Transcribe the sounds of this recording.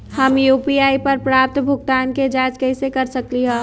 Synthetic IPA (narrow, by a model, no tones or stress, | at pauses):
hɐmjuːpiaːipɐɾpɾaːp̚t̪bʱʊɡ̚t̪aːnked͡ʒaːd͡ʒkɛɪsekɐɾsəkliɦɛ̃ː